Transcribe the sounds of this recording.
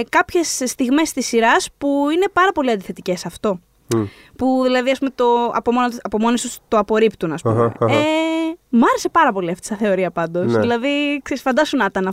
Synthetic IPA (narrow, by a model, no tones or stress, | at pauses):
kɐpçe̞sːt̪iɣme̞st̪isiɾɐspuine̞pɐɾɐpo̞liɐnd̪iθe̞t̪ice̞sɐft̪o̞ | puðilɐðiɐspumet̪o̞ɐ̰pomonoɐpo̞mo̞nesust̪oɐpo̞ɾipt̪unɐspueemɐɾe̞se̞pɐɾɐpo̞liɐft̪i̥sɐθe̞o̞ɾiɐpɐnd̪o̞silɐðikseisfɐnd̪ɐsunɐt̪ɐnɐ